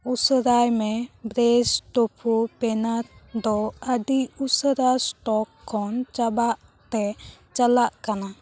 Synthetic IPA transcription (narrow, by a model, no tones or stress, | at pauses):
usəɾajmɛbɾɛstopʰupɛnaɾd̪ɔəd̪iʔusəɾasʈɔkʰːɔnt͡ʃabaʔ | t̪ɛt͡ʃalaʔkana